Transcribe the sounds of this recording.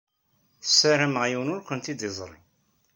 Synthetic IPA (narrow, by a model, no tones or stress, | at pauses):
θə̥sːæɾæməʁjiwnʊɾkʷənt̪id̪izˤɾˤḭ